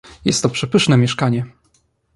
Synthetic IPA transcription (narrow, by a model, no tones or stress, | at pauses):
jɛ̰st̪ːɔpʂɛpɘʂnɛmʲjɛʂkaɲɛ